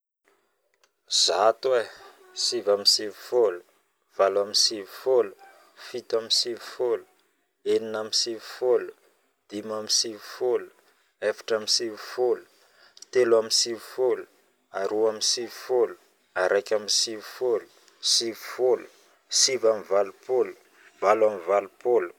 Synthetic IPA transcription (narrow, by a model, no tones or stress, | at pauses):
z̥at̪we | sivamisivi̥folu̥ | v̥alamisivifolu̥ | fit̪aminsivi̥folu̥ | eninamisivi̥folu̥ | d̪̥imamisivi̥folu̥ | efḁʈ͡ʂamisivu̥folu̥ | t̪eluaminsivfolu̥ | aɾuamisivifolu̥ | aɾʔajkʲamisivifolu̥ | sivifolu̥ | sivamivalupolu̥ | valamivalupolu̥